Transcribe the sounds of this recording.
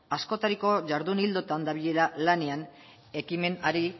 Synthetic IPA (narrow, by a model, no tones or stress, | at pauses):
asko̞t̪aɾiko̞ʝaɾðunild̪o̞t̪and̪aβiʎe̞ɾalane̞an | e̞kime̞naɾi